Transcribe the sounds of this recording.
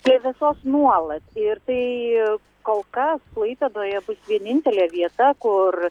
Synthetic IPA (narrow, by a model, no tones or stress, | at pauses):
iɛʋʲɛsoːsnuɔlˠɐt̪ʲɪɾt̪ɐɪ | koːlˠkɐsplˠɐɪpʲɛd̪oːjɛbʊsʋʲiɛnʲɪnʲt̪ʲɛlʲɛʋʲiɛt̪ɐkʊr